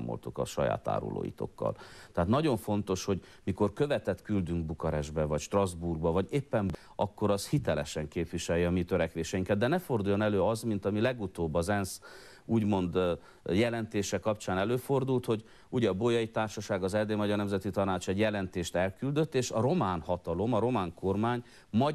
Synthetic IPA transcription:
amo̰lt̪ukɒ̰ʃɒ̰ja̰ːt̪a̰ːɾṵlo̰ːjḭt̪o̞̰kːɒ̰lt̪ɛɦat̪nɒɟo̞ɱfo̞nt̪o̞ʃho̞ɟ | miko̞rkøvɛt̪ɛt̪kyld̪yŋɡbukɒɾɛʒbɛvɒcʃt̪rɒzburɡ̚bɒvɒɟeːpːɛn | ʔɒkːo̞ɾɒshit̪ɛlɛʃɛŋkeːpʋiʃɛljɒmit̪øɾɛkʋeːʃɛjiŋkɛd̪̚d̪ɛnɛfo̞rd̪uːjːo̞nɛløːɒzmint̪ɒmilɛɡut̪oːbːɒzɛns | uːɟmo̞nd̪ | jɛlɛnt̪eːʃɛkɒpt͡ʃaːnɛløːfo̞rd̪ult̪ho̞ɟ | uːɟɛɒboːjɒjit̪aːrʃɒʃaːɡɒzɛrd̪eːmɒɟɒrnɛmzɛt̪it̪ɒnaːt͡ʃɛɟjɛlɛnt̪eːʃt̪ɛlkyld̪øt̪ːeːʃɒɾo̞maːnhɒt̪ɒlo̞mɒɾo̞maːŋko̞rmaːɲ | mɒ

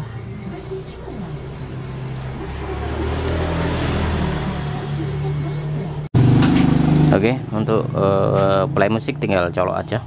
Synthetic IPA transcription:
okeunt̪ʊʔəplaimusɪk̚t̪iŋɡalt͡ʃɔlɔ̰ʔa̰̥d͡ʒa

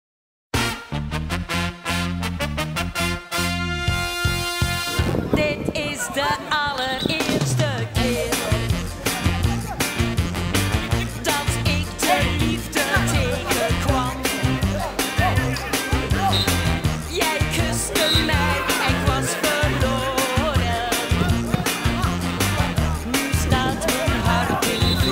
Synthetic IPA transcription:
dɪtɪsdəɑlərɪːrstəkɪːr | dɑtɪkdəlifdətʰejkəkʋɑn | jɛjkʰəstəmɛjɪkʋɑsfəɹloɾə | mustatəɦɑrtɪŋ

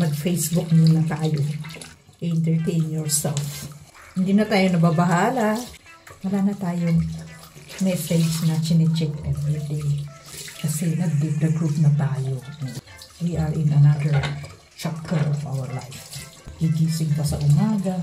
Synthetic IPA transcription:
mɐɡ̚fejsbʊk̚nʊnlːɐt̪aːjo | ʔɛʔɪnt̪ɛɹt̪ejnjɔɹsɛlfhɪnd̪inɐt̪aːjonɐbabaɦaːlɐwɐlaːnɐt̪aːjoŋ | mɛsɛd͡ʒsnɐt͡ʃɪnɛt͡ʃɛkɛnɛt̪ɛ | kɐsɛnɐɡ̚d̪ip̚d̪ɐɡɹupnɐt̪aːjono | wiʔɐɹʔɪ̃nɐnad̪ɛɹ | t͡ʃakɛɹɔfa̰wɛɹla̰jfɡiɡiːsɪŋpɐsɐ̰ʔʊmaːɡɐ

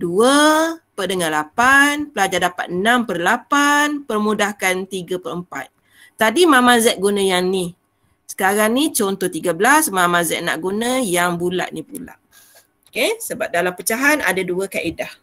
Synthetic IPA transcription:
duəpədəŋalapanpəlad͡ʒadapa̰t̪̚ənampərlapanpərmudahkant̪iɡəpərəmpa̰t̪̚ː | adimamazɛʔ̚ɡunə̃jaŋni | sə̥kaɾaŋnit͡ʃɔnt̪ɔht̪iɡabəlasmamazɛ̰ʔna̰ʔɡunəjaŋbula̰ʔnipula̰ʔ | okesəbap̚dalampət͡ʃaɦana̰daduəkaʔidah

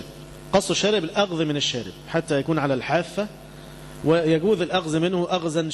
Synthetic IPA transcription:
b | qɑsˤːɪʃːæːɾɪbɪlʔɑɣðmɪnɪʃːæːɾɪbħat̪ːæjækuːnʕalælħaːfːæ | wɪjæɡuːðɪlʔɑɣðmɪnhʊʔɑɣzæn

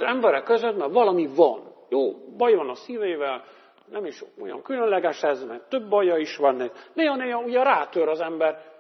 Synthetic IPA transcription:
zɛmbɛɾɛkːøzøt̪mɛrvɒlɒmivɒnjoːbɒjvɒnɒsiːveːvɛl | nɛmiʃo̰jɒ̰ŋkylønlɛɡɛʃɛzmɛrt̪øbːɒjːɒiʃʋɒnːeneːɦɒneːjɒuɟɛɾaːt̪øɾɒzɛmbɛr

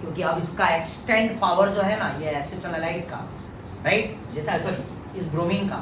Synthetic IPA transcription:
kjõːkiɐbɪskaeksʈẽɳɖpaːʋəɾd͡ʒoːɦɛnajesɪʈələlaːɪʈ̚ka̰ | ɾaɪʈ | d͡ʒɛːsasoi | ɪsbɾoːmĩnka̰

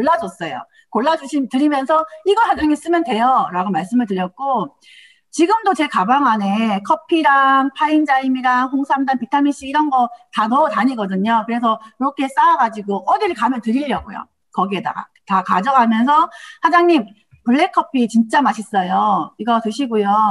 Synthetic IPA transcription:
koɭːad͡ʑʌs͈ʌjo̰ | koɭːad͡ʑuɕʰitɯɾimjʌnsʰʌiɡʌɭhad͡ʑaŋɲims͈ɯmjʌndwe̞jʌɾaɡomaɭs͈ɯmɯɭtɯɾjʌk̚k͈o | t͡ɕiɡɯmdot͡ɕe̞kabaŋane̞kʰʌpʰiɾaŋpʰaind͡ʑaimiɾaŋɸoŋsʰamdanpitʰamiɕ͈iːɾʌnɡʌtanʌtaɲiɡʌdɯɲokɯɾe̞s̬ʰʌkɯɾʌkʰe̞s͈aaɡad͡ʑiɡoʔʌdiɭkamjʌntɯɾiʎjʌɡo̰jo̰ | kʌɡiɦeda̰ɡa̰ | takad͡ʑʌɡɦamjʌnsʰʌhad͡ʑaŋɲim | puɭːe̞kʰːʌpʰit͡ɕint͡ɕ͈amaɕʰis͈ʌjoiɡʌtɯɕʰiɡujo

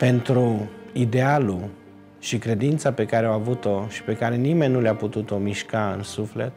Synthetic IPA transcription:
pe̞nt̪ɾuid̪ealu | ʃikɾe̞d̪int̪sape̞kaɾeawavut̪o̞ʃi̥pe̞kaɾe̞nime̞nʲːuleaput̪ut̪o̞miʃkaɨ̰nsuflḛt̪

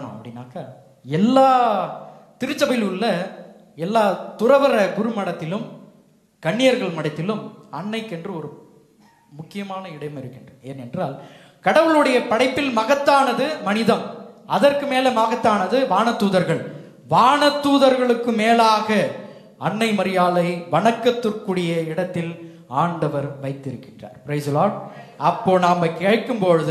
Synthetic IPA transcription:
nɐ̰̃ɐpːɐɽɪnːa̰ːka | ɛlːaː | t̪ɪɾɯt͡ʃːɐbɐlɯlːɐ | ɛlːaːt̪ʊrɐʋɐɾɐɡʊɾɯmɐɽɐt̪ːɪlɯm | kɐɳːɪjɐɾɣɐɭmɐɽɐɪt̪ːɪlɯmɐɳːɐɪkːɛndrɯɔɾɯ | mʊkːɪjɐmaːnɐɪɽɐjʋɐmɪɾɯkːɪndrɯḛːnɛndra̰ːl | kɐɽɐʋɯɭɯɽɐjɐpɐɽɐɪpːɪlmɐɣɐt̪ːaːnɐðɯmɐnɪðɐmɐðɐrkɯmeːlɛmaːɣɐt̪ːaːnɐðɯʋaːɳɐt̪ːuːðɐɾɣɐɭ | ʋaːɳɐt̪ːuːðɐɾɣɐɭɯkːɯmeːlaːɣɐ | ɐɳːɐɪmɐɾɪjaːlɐɪʋɐɳɐkːɐt̪ːɯrkɯɽɪjɐɪɽɐt̪ːɪl | aːɳɖɐʋɐɾʋɐɪt̪ːɪɾɯkːɪndra̰ːɾpɾeɪsloːɽɐpːoːnaːmɐkeːɻʈkːɯmpoɻɯðɯ

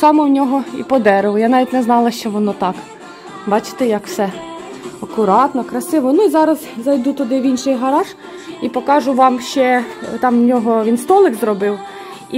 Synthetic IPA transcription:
sɑmɔwnʲɔɦɔḭpɔd̪ɛɾɪʋˠɔjanɑʋʲitʲnɛznɑlˠɐʃt͡ʃɔʋɔnɔt̪ɑk | bɑt͡ʃɪ̥t̪ɛjɐkwsɛ | ɐkʊɾɑt̪nɔkɾɐsɪʋɔnuizɑɾɐzzɐjd̪ut̪ɔd̪ɪʋʲinʃɪjɦɐɾɑʒ | ipɔkɑʒʊʋɑmʃt͡ʃɛt̪ɑmnʲɔɦɔʋʲinst̪ɔlˠɪkzɾɔbɪw | i

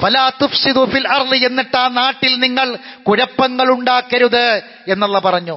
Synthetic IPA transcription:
fɐlaːt̪ufsid̪ufilɐrðɨe̞nːiʈːaːnaːʈːilniŋːɐɭkuɾɐpːɐŋːɐɭuɳɖaːkːɐɾuðɨ | e̞nːɐlːɐpɐrɐɲːu

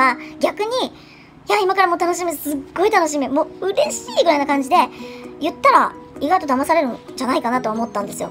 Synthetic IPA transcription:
aɡʲakɯ̟ɲ̟i | jaimakaɾamo̞ːt̪anoɕ̬imʲisɨɡːo̞it̪ano̞ɕ̬imʲimo̞ːɯ̟ɾe̞ɕiːɡɯɾainakãɲ̟d͡ʑid̪e̞jɯ̟t̪ːaɾaiɡait̪o̞d̪amasaɾe̞ɾɯ̟d͡ʑanaikanat̪oomo̞t̪ːãnd̪esɨjo̞̰

